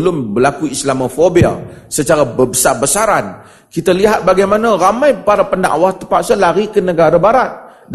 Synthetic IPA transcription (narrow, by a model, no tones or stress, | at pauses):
lʊmbəlakuislamofobia̰lsət͡ʃaɾabəbəsabəsaɾan | kit̪aliɦat̪̚baɡajmanaɾamãjpaɾapənda̰ʔwaht̪əpaʔsəlaɾikənəɡaɾabaɾat̪̚ | d